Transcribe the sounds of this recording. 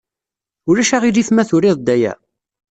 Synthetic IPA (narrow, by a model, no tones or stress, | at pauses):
ʊɾæʃaʁiliθmæθʊɾɪðˤd̪æjæ̰